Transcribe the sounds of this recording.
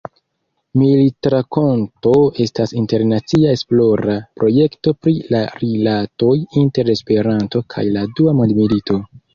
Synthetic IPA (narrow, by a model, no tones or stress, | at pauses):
militɾako̞nto̞e̞stasinte̞ɾnat͡siae̞splo̞ɾapɾo̞je̞kto̞pɾilaɾilato̞jinte̞ɾe̞spe̞ɾanto̞kʰa̰jladuamondmilito̞